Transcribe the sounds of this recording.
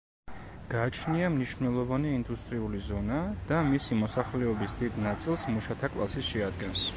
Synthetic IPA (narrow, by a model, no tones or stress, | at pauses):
ɡ̥aːt͡ʃʰniamniʃnnɛlˠɔvaniːnd̪ust̪ʼɾiulizɔnad̪̥amisimɔsaχlɛɔbisd̪id̪nat̪sʼilˠsmuʃat̪ʰakʼlˠa̰sisʃɛad̪ɡɛns